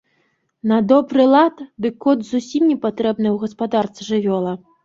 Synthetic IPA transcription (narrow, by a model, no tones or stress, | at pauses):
nɐd̪ɔbɾɨlˠat̪d̪ɨkɔd̪zusʲimnʲɛpat̪ɾɛbnɨwɣɐspad̪arsʲʐɨvʲɔlˠɐ